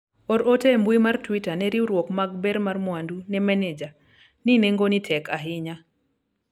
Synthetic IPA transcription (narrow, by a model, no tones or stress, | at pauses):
oɾotembwimartwitanɛɾiuɾwɔkmaɡbɛɾmarmwandunɛmɛnɛd͡ʒa | nineŋɡonitʰɛkʰaɦɪɲa